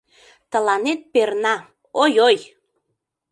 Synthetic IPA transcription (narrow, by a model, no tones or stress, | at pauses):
t̪ə̆lɑnet̪̚pernɑ | ojoj